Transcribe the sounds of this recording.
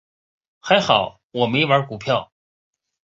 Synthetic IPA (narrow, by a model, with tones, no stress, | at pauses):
xa˧˥ɪxɑ˨˩˦ʊ | wɔ˨˩me˧˥wa˞˧˥ku˨˩pʰjɑ˥˩ʊ